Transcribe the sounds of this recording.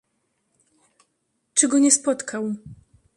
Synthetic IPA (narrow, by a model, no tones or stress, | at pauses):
t͡ʂɘɡɔɲɛspɔt̪kʰaw